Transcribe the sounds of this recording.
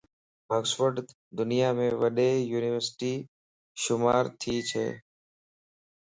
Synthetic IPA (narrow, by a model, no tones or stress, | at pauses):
bəɡsʋəɖt̪ | d̪ʊnɪjaːmẽːʋəɗeːjuːnɪːʋəɾsʈiː | ʃʊmaːɾt̪ʰiːt͡ʃʰḛː